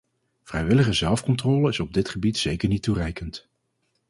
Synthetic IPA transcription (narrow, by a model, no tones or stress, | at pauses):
v̥rɛjʋɪləχəzɛlˠfkɔntrɔːləɪsɔb̚dɪtχəbitsejkəɹnitːurɛjkənt